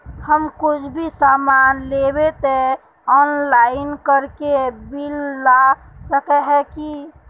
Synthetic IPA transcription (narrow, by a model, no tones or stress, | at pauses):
həmkut͡ʃʰbʱisamanlebet̪e | ɔnlaɪinkəɾkebilːa | səkɛɦɛki